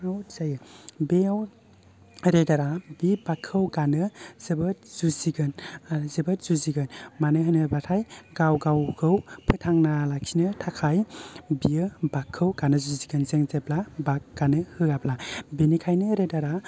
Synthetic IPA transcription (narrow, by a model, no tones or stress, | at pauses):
awzajɯbeaw | ɾedaɾabibakʰːɯwɡanɯz̥ebɯt̚z̥uziɡɯnazebɯt̚z̥uziɡɯnmanɯɦɯnɯbatʰajɡawɡawkʰɯwpʰɯtʰaŋnalaksinɯtʰakʰajbiɯbakʰːɯwɡanɯzuziɡɯnzeŋzeplabak̚ɡ̥anɯhɯɡapʰlabenikʰajnɯɾedaɾa